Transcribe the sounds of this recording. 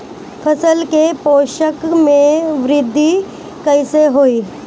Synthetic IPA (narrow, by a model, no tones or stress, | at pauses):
fʰɐsəlkepoːʃəkmẽʋɾɪd̪ʱːi | kɐɪseɦoːiː